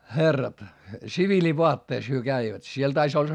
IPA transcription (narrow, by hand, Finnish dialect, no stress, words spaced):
xerːɑt siʋiliʋoɑtːeis hyø kæiʋæt siel tɑis olˑɑ̆